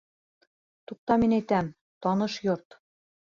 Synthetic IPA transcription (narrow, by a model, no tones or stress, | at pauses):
t̪uq̚t̪ɑminæjt̪æm | t̪ɒnɤʃjoɾt̪